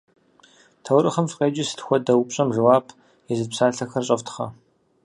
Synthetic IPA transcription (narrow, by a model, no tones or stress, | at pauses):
tʰɐwrɨχɐmfqeːd͡ʒɪsɨ̥txʷɔdɐwpɕʼɐmʒɨwaːbʰ | ɛzɨdpsaːɬɐxɐrɕʼɐftʰχɐ̰